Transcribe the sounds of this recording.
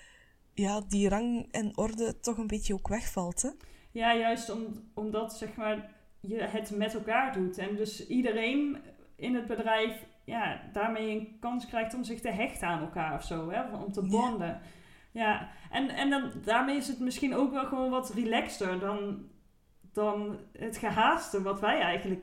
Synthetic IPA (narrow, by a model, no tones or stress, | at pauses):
jaːdirɑŋɛnɔrdətːɔxənbɪtjəokʋɛxfɑlˠtɛjaːjœɥstɔmɔmdɑtsɛxmaːɹ | jəɦətmɛtɛlˠkaːɹdutɛndɵsidərejn | ɪnɦəd̚bədrɛjf | jaːdaːɹmejəənkɑnskrɛjxtɔmzɪxtəɦɛxtəaːnɛlˠkaːɹɔfsowɦɛɔmtəbɑndə | jaʔɛnɛndɑndaːɹmejɪsətmɪsxinowkʋɛlˠɣəʋoːnʋɑtrilɛkstəɹdɑn | d̥ɑnɦətχəɦaːstəʋɑtʋɛjɛjɣənlək